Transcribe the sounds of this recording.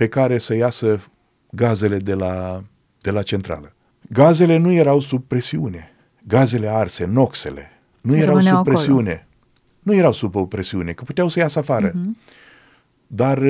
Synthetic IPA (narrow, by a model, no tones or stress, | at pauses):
pe̞kaɾe̞səjasə | ɡaze̞le̞d̪e̞la | d̪̥e̞lat͡ʃe̞nt̪ɾa̰lə | ɡaze̞le̞nuje̞ɾawsub̚pɾe̞siune̞ | ɡaze̞le̞arse̞no̞kse̞̰le̞̰ | nujeawupɾesiune̞ | nuje̞ɾawsubopɾe̞siune̞kəput̪eawsəjasəafaɾə | d̪ar